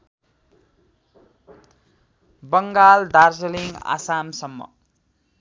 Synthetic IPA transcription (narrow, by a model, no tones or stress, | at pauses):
bʌŋɡald̪arsʌliŋɡa̰samsʌmːʌ̰